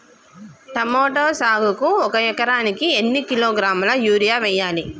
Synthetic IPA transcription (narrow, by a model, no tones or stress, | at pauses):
ʈɐmoːʈoːsaːɡukuɔkɐɛkɐɾaːnikienːikiloːɡɾaːmɐlɐjuːɾijaːʋɛjːaːli